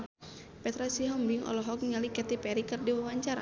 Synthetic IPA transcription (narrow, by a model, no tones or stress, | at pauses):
pɛt̪ɾasiɦɔmbiŋɔ̰lɔɦɔk̚ɲalikɛt̪ipɛɾikərdiwawaɲt͡ʃaɾa̰